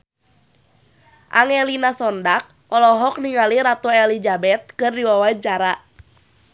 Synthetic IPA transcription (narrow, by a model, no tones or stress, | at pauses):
ʔa̰ŋɛlinasɔndak̚ | ɔlɔɦɔk̚niŋaliɾat̪ɔɛlid͡ʒabɛt̪̚kɨrdiwawait͡ʃaɾa